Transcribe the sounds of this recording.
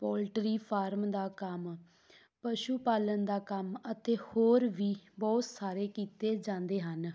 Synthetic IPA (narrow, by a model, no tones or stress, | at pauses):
pɔːlʈɾiːpʰaːɾmd̪aːkəm | pəʃuːpaːlənd̪aːkəmət̪eːhoːɾʋiːbɔːt̪saːɾeːkiːt̪eːd͡ʒãːnd̪eːɦən